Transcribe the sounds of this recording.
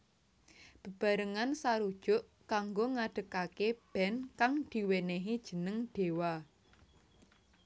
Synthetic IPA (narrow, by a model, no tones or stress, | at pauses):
b̥ə̤b̥a̤ɾəŋansaɾud̥ʒ̥ʊ̤ʔkaŋɡoŋaɖ̥ə̤kakeb̥ɛnkaŋd̪̥i̤weneɦid̥ʒ̥ə̤nəŋɖ̪̥e̤wa